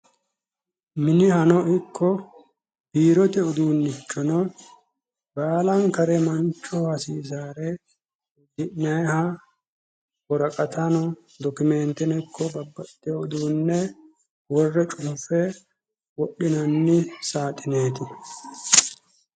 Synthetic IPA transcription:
mɪnɪhɐnɔɪkːɔ | b̥iːɾɔt̪ɛʊd̪uːnːɪt͡ʃːɔnɔ | baːlɐŋkɐɾɛmɐnt͡ʃːɔhɐsiːs̬aːɾɛ | d̪ɪʔnɐjhɐ | wɔɾɐkʼɐt̪ɐnɔ | d̪ɔkʊmɛnt̪ɛnɛkʰːɔbɐbːɐt̪ʼːɛʊd̪uːnːɛ | wɔrːɛt͡ʃʼʊːfɛ | wɔɗːɪnɐnːɪsaːt̪ʼːɪneːt̪ɪ

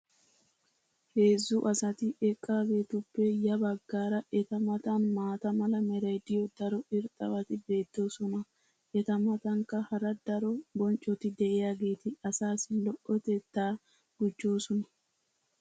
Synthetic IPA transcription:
he̞ːzːʊʔɐsɐt̪ɪɛkʼːaːɡe̞ːt̪ʊpːɛjɐbɐɡːaːɾɐʔɛt̪ɐmɐt̪ɐnmaːt̪ɐmɐlɐmɛɾɐjd̪ɪjɔd̪ɐɾɔɪɾt̪ʼɐwɐt̪ɪbe̞ːt̪ːoːsɔnɐ | ʔɛt̪ɐmɐt̪ɐŋkɐhɐɾɐd̪ɐɾɔbɔnt͡ʃʼɔt̪ɪd̪ɛʔɛjaɡe̞ːt̪ɪɐsaːsɪlɔʔɔt̪ɛt̪ːaː | ɡ̥ʊd͡ʒːoːsɔnɐ̥

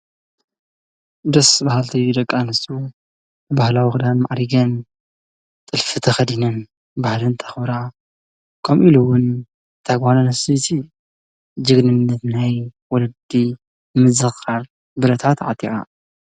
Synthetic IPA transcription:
d̪ɐsbahalt̪ʰɐjud̪ɐkʼːanɨsʼu | ɨbahlawixɨd̪anmaʕɾiɡɐn | t̪ʼɨlfɨt̪ʰɐxɐd̪inɨn | bahlɨnt̪ʰɐ̥xbɾa | kʰɐmʔiluwʊn | t̪ʰaɡanɐnɐsit̪ʰi | d͡ʒɨɡnɨnːɐt̪najwɔlɐd̪i | mɨzɨxaɾ | bɨɾɐt̪ʰat̪ʕa̰t̪ʼːiʔʼa̰

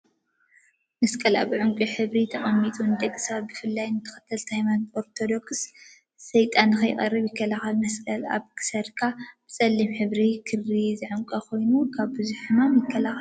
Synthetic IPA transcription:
mɐskʼɐla̰βʕʊŋkʼiħɨβɾit̪ʰɐχʼɐmːit̪ʼund̪ɐkʼːɨ̥saβbɨfɨlːajnɨt̪ʰɐ̥xɐ̥t̪ʰɐlt̪ʰajmanoɾt̪ʰo̞d̪o̞ksː | ɐjt̪ʼanːɨxɐjkʼɐ̰riβjɪkʰːɐlaxɐlmɐskʼɐla̰βkʰɨ̥sɐɾkʰab̥ɨt͡sʼɐlːimħɨβɾikʰɨrizɨʕɨmkʼɐkʰo̞jnukʰaβbɨzuħɨmamjɪkʰːɐlaxɐl

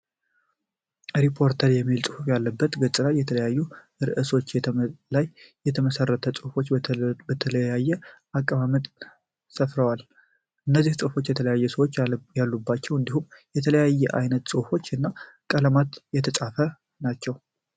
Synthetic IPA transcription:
ɾipʰo̞ɾt̪ʰəɾjɛmːilsʼɨhufjalːəbːət̪ɡət͡ʃʼɨɾajɛt̪ʰələjajːu | ɾɨʔɨso̞t͡ʃːlajːɛt̪ʰəməsərːət̪ʰəsʼɨfo̞t͡ʃːbət̪ʰələjajːɛʔakʼːəβamət̪ʼ | səfɾəwal | ʔɨnːəzːihsʼɨfo̞t͡ʃːjɛt̪ʰələjajːɛsəwot͡ʃːjalːubːat͡ʃːɛwɨnd̪ihumjɛt̪ʰələjajːɛʔajnət̪sʼohfo̞t͡ʃːɨnːa | kʼələmat̪jɛt̪ʰəsʼafə | nat͡ʃːɛw

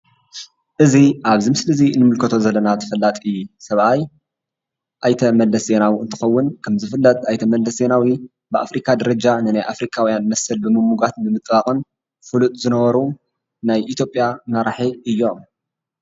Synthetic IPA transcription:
ʔɨziʔaβzimɨslɨzinɨmɨlkʰɐt̪ʰo̞zɐlːɐnat̪ʰɐ̥fɐlːat̪ʼɨjːusɐβʔaj | ʔajt̪ʰɐmɐlːɐsze̞nawiɨnt̪ʰɨ̥xɐwːʊnkʰɐmzɨfɨlːɐt̪ajt̪ʰɐmɐlːɐsze̞nawi | bɨʔa̰fɾikʰad̪ɐɾɐd͡ʒanɨnajʔafɾikʰawijanmɐsɨlbɨmɨmuɡat̪̚bɨmɨt̪ʼbaχʼɨn | fulut̪ʼzɨnɐβɐɾu | najʔit̪ʰjo̞pʼjamɐɾaħiʔɨjːo̞m

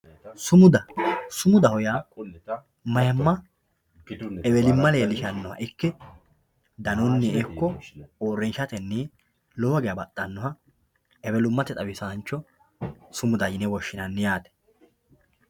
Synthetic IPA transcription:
sʊmʊd̪ɐsʊmʊd̪ɐhɔja | mɐjɐmːɐ | ɛwɛlɪmːɐleːlɪʃɐnːɔhɐ̰ʔɪkːɛ | d̪ɐnʊnːɛɛkːɔoːrːɛnʃɐt̪ɛnːe | lɔwɐɡɛjɐbɐt̪ʼːɐnːɔhɐ | ɛbɛlʊmːɐt̪ɛt̪ʼɐbɪsant͡ʃːɔ | sʊmʊd̪ɐjɪnɛwɔʃːɪnɐnːɪjaːt̪ɛ̥

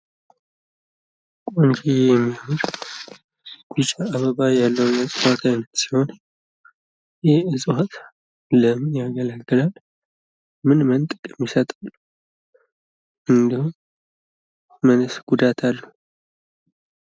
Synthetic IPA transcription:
kʼont͡ʃijjɛmːimuɾ | ɡut͡ʃʼaːβəβajalːəwnəsʼwat̪ʰajnət̪si̥ho̞n | jɛɨsʼhat̪ | ləmnjaɡələkɡ̪ɨlal | mɨnmənt̪ʼɨkʼɛmːisət̪ʼal | ʔɨnd̪ihu | mənsɡud̪at̪ʰalːu

